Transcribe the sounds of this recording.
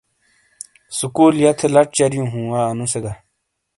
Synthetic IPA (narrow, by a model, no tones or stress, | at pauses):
sukuːljɐt̪ʰelɐʈ̚t͡ɕɐɾjũɦũːwaːnũseɡa